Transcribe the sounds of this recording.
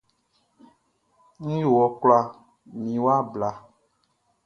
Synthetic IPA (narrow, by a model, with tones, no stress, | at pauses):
ŋ̩̃˦jo˨wɔ˨kla˦ | mĩ˨wa˦bla˨